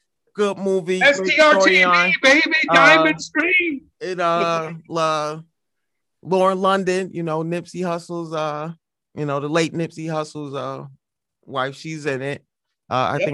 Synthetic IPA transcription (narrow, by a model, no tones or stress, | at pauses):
ɡ̥ʊd̚muviɔɪ̃ə̃nbeɪbiãɪmɨ̃stɹi | ɪ̃nʌlʌ | lɔɹə̃nlʌ̃ndɨ̃njɨnoʊnɪpsihʌsl̩ˠzʌ | jɨnoʊðəleɪtⁿnɪpsihʌsl̩ˠzʌ | waɪfʃizɪ̃nɪt̚ | ʔʌ̰a̰ɪθɪ̃